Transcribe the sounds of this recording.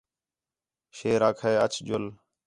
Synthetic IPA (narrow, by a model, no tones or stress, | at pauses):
ʃeːɾaːkʰeːət͡ʃʰd͡ʒʊl